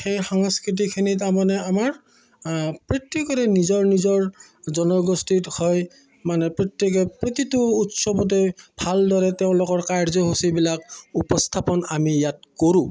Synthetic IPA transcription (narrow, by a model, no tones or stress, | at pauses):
xejxaŋaskit̬ikʰinitamanɛamaɹ | pɹɔt̪ːekɔtɛnizɔɹnizɔɹ | zɔnɔɡostithɔj | manɛpɹɔt̪ːekɔpɹot̪itʊːtsɔbɔt̬ebʱaldɔɹɛtɛʊ̃lʊkɔɹkaɹzɔɦusibilakupɔstʰapɔnamijat̚koɹũ